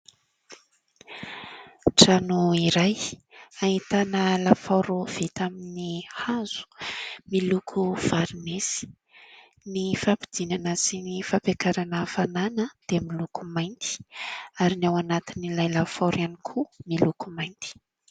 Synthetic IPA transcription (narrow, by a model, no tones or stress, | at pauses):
ʈ͡ʂanuiɾajaɦit̪anəlafawɾuv̥et̪aminihaz̥u̥milukʰuv̥aɾnesi̥ | nifapid̪inanəsinifapekaɾanəfananəd̪̥emilukumajnt̪i̥aɾinawanat̪inilajlafaɾanikʰumilukumajnt̪i̥